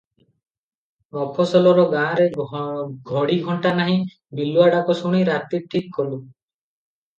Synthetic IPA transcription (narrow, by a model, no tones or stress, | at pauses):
ɔpʰɔsɔlɔɾɔɡãɾe | ɡʱɔɽiɡʱɔɳʈanaɦĩ | biluaɽakɔsuɽ̃iɾat̪iʈʰikːɔlu